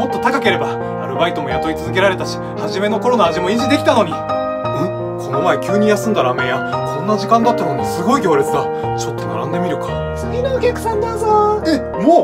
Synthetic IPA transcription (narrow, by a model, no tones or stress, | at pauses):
mo̞t̪ːo̞t̪akake̞ɾe̞baː | ɾɯ̟bait̪o̞mo̞jat̪o̞ɾit͡sɨzɨk̬e̞ɾaɾe̞t̪aɕi̥ | haʑime̞no̞ko̞ɾo̞naːʑimo̞iʑid̪ekʲit̪ano̞ɲ̟i | e | kʰo̞no̞mae̞kʲɨːɲ̟ijasɨ̃nd̪aɾame̞jakʰõ̞nːaʑikãnd̪at̪ːanomosɨɡo̞iɡʲo̞ːɾet͡sɨd̪a | t͡ɕo̞t̪ːo̞na̰ɾã̰nd̪e̞mʲiɾɯ̟kḁ | t͡sɨɡʲinookʲakɯ̟̥sãnd̪azoe | moː